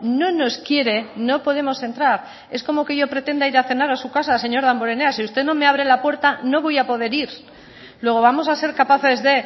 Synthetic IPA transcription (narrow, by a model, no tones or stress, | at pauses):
nõ̞no̞skje̞ɾe̞no̞po̞ðe̞mo̞se̞nt̪ɾaɾ | e̞sko̞mo̞ke̞ʝo̞pɾe̞t̪e̞nd̪aiɾaθe̞naɾasukasase̞ɲo̞ɾðamboɾe̞ne̞asiust̪e̞no̞me̞aβ̞ɾe̞lapwe̞ɾt̪ano̞βo̞japo̞ðe̞ɾiɾ | lwe̞ɣ̞o̞βamo̞sase̞ɾkapaθe̞zðe̞